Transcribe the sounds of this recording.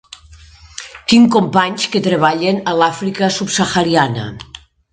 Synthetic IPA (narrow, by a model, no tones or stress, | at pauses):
t̪iŋkompaɲsket̪ɾeβ̞aʎenalafɾikəsupsəxaɾianə̰